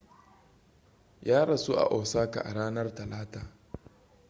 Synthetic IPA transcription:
jaː˦ɽɐ˨su˦ʔa̰˨ʔoː˨saː˦ka̰˨ʔa̰˨ɽaː˦nɐ˦rtɐ˨laː˦taː˨

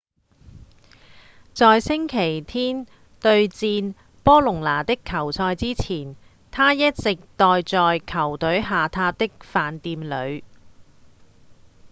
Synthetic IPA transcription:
t͡sɔː˨jsɪ˥ŋkʰe˨˩jt̪ʰiː˥n | t̪ɵ˧ɥt͡siː˧n | pɔː˥lʊ˨˩ŋlaː˨˩t̪ɪ˥kʰːɐ˨˩wt͡sʰɔː˧jt͡siː˥t͡sʰiː˨˩n | t̪ʰaː˥jɐ˥t̚t͡sɪ˨k̚t̪ɔː˨jt͡sɔː˨jkʰɐ˨˩wt̪ɵ˨˥ɥɦaː˨t̪ʰaː˥t̪ɪ˥k̚faː˨˧nt̪iː˧mlɵ˨˧ɥ

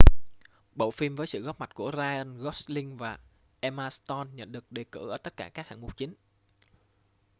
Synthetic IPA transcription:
ɓo̰˧˨wfi˧mvəː˨˦jsɨ̰˧˨ɣɔ˦˥p̚ma˨˩t̚ku˧˩əzaː˧ə˧nɣɔ˦˥slï˧ŋvaː˨˩ | ʔɛ˧maː˧st̪ɔ˧nɲə̰˧˨nɗɨ˨˩ək̚ɗe˨˩kɨ̰˧˩ʔəː˧˩t̪ə˦˥t̚kaː˧˩kaː˦˥k̚ha̰ː˧˨ŋmu˨˩t̚t͡ɕï˨˦n

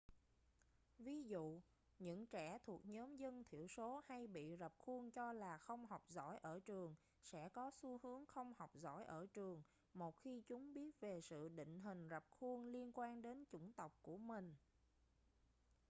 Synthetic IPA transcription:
vi˨˦zṵ˧˨ | ɲɨ̰˧˥ŋt͡ɕɛ˧˩t̪ʰu˨˩ək̚ɲɔː˨˦mzə˧nt̪ʰi˧˩əwso˨˦ha˧jɓḭ˧˨zə˨˩p̚xu˧ənt͡ɕɔ˧laː˨˩xə˧wŋ͡mha˨˩wk͡p̚zɔ̰˧˥˩jʔəː˧˩t͡ɕɨ˨˩əŋ | sɛ̰˧˥kɔ˨˦su˧˦hɨ˨˦əŋxə˧wŋ͡mha˨˩wk͡p̚zɔ̰˧˥˩jʔəː˧˩t͡ɕɨ˨˩əŋ | mo˨˩t̚xi˧t͡ɕʊ˨˦ŋ͡mɓi˦˥ət̚ve˨˩sɨ̰˧˨ɗḭ˧˨ŋ̟ɦï˨˩ŋ̟zə˨˩p̚xu˧ənli˧ənkwaː˧nɗe˨˦nt͡ɕʊ˧˩ŋ͡mt̪ə˨˩wk͡p̚ku˧˩əmï˨˩ŋ̟

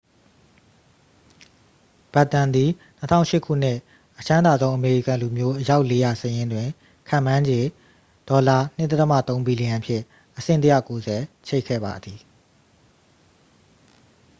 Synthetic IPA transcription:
b̥a˦˨tːã˨nd̪i˨n̥ətʰã̰˦ʊ̃ʃɪ˦˨kʰṵ˦˨n̥ɪ˦˨ | ʔət͡ɕʰã˦nda˨d̪ðõ˦ʊ̃ʔəme˨ɹḭ˦˨kã˨lu˨mjo˦ʔəja˦ʊʔle˦ja˨səjɪ̃˦ndwɪ̃˨ | kʰã̰˦˨mã˦ɲd͡ʑẽ˨ | d̥ɔ˨la˨n̥ɪ˦ʔt̪ɛ˦t̪əmä̰˦˨t̪õ˦ʊ̃mbi˨li˨ã˨pʰjɪ̰̃˦˨ | ʔəsɪ̰̃˦˨ntə˦jä̰˦˨ko˦zɛ˨t͡ɕʰe˦ɪʔkʰːɛ̰˦˨ba̰˨d̪ði˨

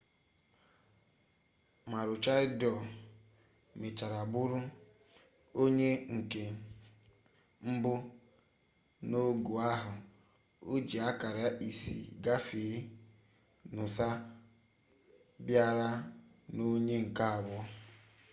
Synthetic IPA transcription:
ma˨ɾʊ˨t͡ʃa˦ɪ˦dɔ˨ | me˨t͡ʃa˨ɾa˨bʊ˦ɾʊ˦ | o˦ɲe˦ŋ̩˨ke˨ | m̩˦bʊ˦ | no˦ɡu˨a˦ɦʊ˨ | o˦d͡ʒi˨a˦ka˨ɾa˦i˨sḭ˨ɡa˦fi˨˦ | nʊ˨sa˦ | bja˦ɾa˦no˦ɲe˦ŋ̩˨ka˦a˨bʊ˦

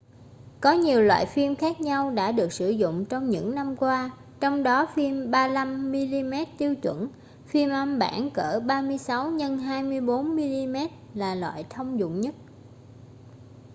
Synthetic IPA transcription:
kɔ˨˦ɲi˨˩əwlwa̰ː˧˨jfi˧mxaː˦˥k̚ɲa˧wɗa̰ː˧˥ɗɨ˨˩ək̚sɨ˧˩zʊ̰˧˨ŋ͡mt͡ɕɔ˧wŋ͡mɲɨ̰˧˥ŋna˧mkwaː˧ | t͡ɕɔ˧wŋ͡mɗɔ˨˦fi˧mɓaː˧la˧mːi˧li˧mɛ˦˥t̚t̪i˧əwt͡ɕwə˧˩n | fi˧əmʔə˧mɓa̰ː˧˩nkəː˧˩ɓaː˧mɨ˧əjsa˨˦wɲə˧nɦaː˧jmɨ˧əjɓo˨˦nmi˧li˧mɛ˦˥t̚laː˨˩lwa̰ː˧˨jt̪ʰə˧wŋ͡mzʊ̰˧˨ŋ͡mɲə˦˥t̚

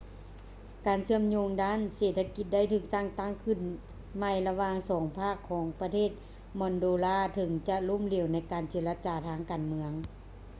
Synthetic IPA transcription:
kaː˨˩nsɯ˧˩əmɲoː˧ŋdaː˥˨nseː˨˩t̪ʰːa˧ki˧˦t̪̚da˥˩jt̪ʰɯː˧˩k̚saː˧˥˩ŋt̪a˧˥˩ŋkʰɯ˧˩n | ma˧˩jla˧waː˧ŋsɔː˩˦ŋpʰaː˥˩kʰːɔː˩˦ŋpa˧t̪ʰeː˥˩t̪̚ | mɔː˧˩ndoː˧˦laː˧˩˨t̪ʰɤ˨˦ŋt͡ɕa˧lo˧˥˨mli˧˩˨wna˧˥˩jkaː˨˩nt͡ɕeː˧˦la˧t͡ɕaː˨˩t̪ʰaː˧˥˩ŋkaː˨nmɯ˧əŋ

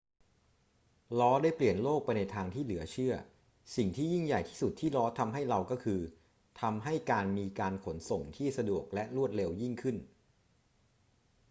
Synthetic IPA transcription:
lɔː˦˥daː˥˩jpli˨˩ənloː˥˩k̚pa˧jna˧jt̪ʰaː˧ŋt̪ʰiː˥˩lɯ˩˦ɐt͡ɕʰɯ˥˩ɐ | si˨˩ŋt̪ʰiː˥˩ji˥˩ŋja˨˩jt̪ʰiː˥˩su˨˩t̪ʰːiː˥˩lɔː˦˥t̪ʰa˧mɦa˥˩jɾa˧wkɔː˥˩kʰɯː˧ | t̪ʰa˧mɦa˥˩jkaː˧nmiː˧kaː˧nkʰo˩˦nso˨˩ŋt̪ʰiː˥˩sa˧du˨˩ək̚lɛ˦˥ʔɾu˥˩ət̪̚le˧wji˥˩ŋkʰɯ˥˩n

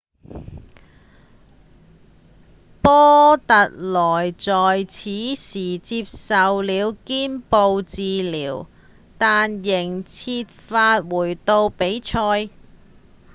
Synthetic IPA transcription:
pɔː˥t̪ɐ˨t̚lɔː˨˩jt͡sɔː˨jt͡sʰiː˨˥siː˨˩t͡siː˧p̚sɐ˨wliː˨˧wkiː˥npo˨˧wt͡siː˨liː˨˩w | t̪aː˨njɪ˨˩ŋt͡sʰiː˧t̚faː˧t̚wuː˨˩jt̪o˧wpe˨˥jt͡ʃʰɔː˧j

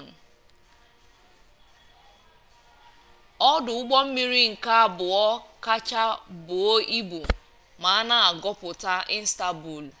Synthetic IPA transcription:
ɔ˦dʊ˨ʊ˦ɡ͡bɔ˦m̩˦mi˦ɾi˦ŋ̩˨ka˦bʊ˨ɔ˦ka˦t͡ʃa˦bʊ˨o˦i˦bu˨ | ma˨a˦na˦a˨ɡɔ˦pʊ˨ta˦ʔi˦n̩˦sta˨bu˨l

